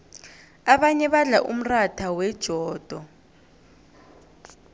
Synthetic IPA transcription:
aɓaɲɛɓaɮa̰ʔum̩ratʰawɛd̥ʒ̥ʱɔːd̥ʱɔ

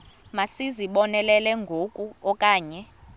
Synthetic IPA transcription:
masiziɓɔnɛlɛlɛŋɡʱokʼuɔkʼaːɲɛ

